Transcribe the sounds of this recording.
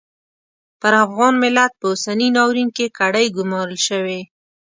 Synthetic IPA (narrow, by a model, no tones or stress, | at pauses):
pəɾafɣɑnmɪlat̪̚pəʊsaninɑwɾinkekaɽəjɡʊmɑɾəlʃəwe